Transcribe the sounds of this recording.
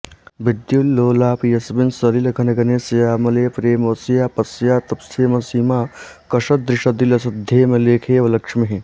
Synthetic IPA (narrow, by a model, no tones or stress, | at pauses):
bɪd̪julːoːlaːpjɐsbɪnsɐɾilɐkʰɐnɐɡɐneːsɐjaːmɐleːpɾeːmoːsjaːpɐsjaːt̪ɐpst̪ʰeːmɐsiːmaːkɐʃɐd̪ɾɪʃɐd̪ilɐsɪd̪ʱjeːmẽleːkʰeːʋɐlɐkʂɐmeɦe